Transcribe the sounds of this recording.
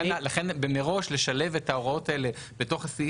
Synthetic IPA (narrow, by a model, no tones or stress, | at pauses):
nlaχe̞nbe̞me̞ʁo̞ʃle̞ʃale̞ve̞tao̞ʁao̞taele̞ | beto̞χasi